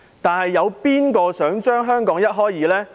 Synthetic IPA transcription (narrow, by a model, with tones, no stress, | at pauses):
t̪aː˨nhɐ˨jːɐ˨˧wpiː˥nkɔː˧sœː˨˥ŋt͡ʃœː˥ŋɦœː˥ŋkɔː˨˥ŋjɐ˥t̚ɦɔː˥jjiː˨˥lɛː˥